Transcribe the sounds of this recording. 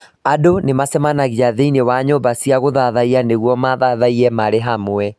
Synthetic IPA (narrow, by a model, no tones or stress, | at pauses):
adonemasɛmanaɣiaðeinewaɲɔbasiaɣoðaðaianeɣwɔmaðaðaiɾɛmaɾeɦamwɛ